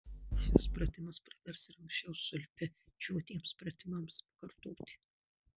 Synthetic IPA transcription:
ʃʲɪspɾɐt̪ʲɪmɐspɾɐʋʲɛɾsɪɾɐ̃ŋksʲt͡ʃʲɛʊsʊlʲfʲɪt͡ʃʲuɔt̪ʲiɛmspɾɐt̪ʲɪmɐmspɐ̥kɐɾt̪oːt̪ʲɪ̥

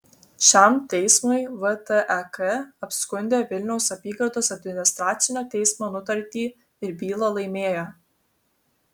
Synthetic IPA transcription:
ʃʲɛˑmt̪ʲɛɪsmʊɪʋət̪əʔɛkɛɐpʲsʲkʊnʲd̪ʲeːʋʲɪlʲnʲɛʊsɐpʲiːɡɐɾd̪oːsɐd̪ʲmʲɪnʲɪst̪ɾɑːt̪sʲɪnʲoːt̪ʲɛɪsmoːnʊt̪ɐɾʲt̪ʲiː | ɪɾbʲiːlˠolˠɐɪmʲeːjo

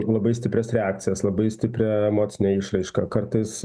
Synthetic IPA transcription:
lˠɐbɐɪsʲt̪ʲɪpʲɾʲɛsɾʲɛaːk̚t̪sʲɪjɛslˠɐbɐɪsʲt̪ʲɪpʲɾʲɛɛmoːt̪sʲɪnʲɛːɪʃrɐɪʃkɐkɐrt̪ɐɪs

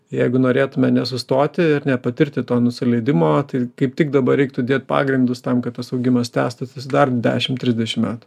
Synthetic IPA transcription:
jɛɪɡʊnoːɾʲeːt̪ʊmʲɛnʲɛsʊst̪oːt̪ʲɪɪɾnʲɛpɐt̪ʲɪɾʲt̪ʲɪt̪oːnʊsʲɪlʲɛɪd̪ʲɪmoːt̪ɐɪkɐɪp̚t̪ʲɪkd̪ɐbɐɾʲɛɪk̚t̪ʊd̪ʲeːt̪̚ʲpɑ̰ːɡɾʲɪnd̪ʊst̪ɐmkɐt̪̚t̪ɐsɐʊɡʲɪmɐst̪ʲæ̰ːst̪ʊsʲʊsʲɪd̪ɐrd̪ʲæ̰ːʃʲɪmt̪ʲɾʲɪzʲd̪ʲɛʃʲɪmʲæːt̪ʊ̥

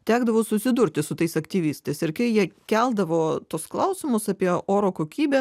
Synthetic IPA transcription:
t̪ʲæːɡd̪ɐʋoːsʊsʲɪd̪uɾʲt̪ʲɪsʊt̪ɐɪsɐkt̪ʲiːʋʲiːst̪ɐɪsɪɾkɐɪjiɛkʲælˠd̪ɐʋoːt̪uɔsklˠɐʊsʲɪmʊsɑːpʲiɛʔoːɾoːkoːkʲiːbʲɛ

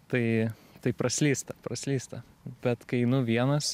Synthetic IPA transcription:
t̪ɐɪ | t̪ɐɪpɾɐsʲlʲiːst̪ɐpɾɐsʲlʲiːst̪ɐ | b̥ʲɛt̪kɐɪnʊʋʲiɛnɐs

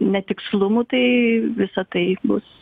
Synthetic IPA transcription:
nʲɛt̪ʲɪkslˠʊmut̪ɐɪʋʲɪsɐt̪ɐɪbʊs

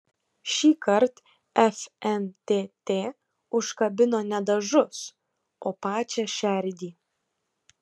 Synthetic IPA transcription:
ʃʲiːkɐɾt̪ | ɛfʲɛnt̪ʲeːt̪ʲeː | ʊʃkɐbʲɪnoːnʲɛd̪ɐʒʊs | oːpɑːt͡ʃʲɛʃʲɛɾʲd̪ʲiː

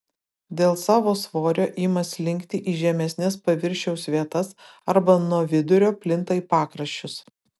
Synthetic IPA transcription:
d̪ʲeːlˠsɑːʋoːsʋoːɾʲoːʔɪmɐslʲɪŋʲkt̪ʲɪʔiːʒʲɛmʲɛsʲnʲɛspɐʋʲɪɾʲʃʲɛʊsʲʋʲiɛt̪ɐs | ɐɾbɐnuɔʋʲɪd̪ʊɾʲoːpʲlʲɪnt̪ɐipɑːkɾɐʃʲt͡ʃʲʊs

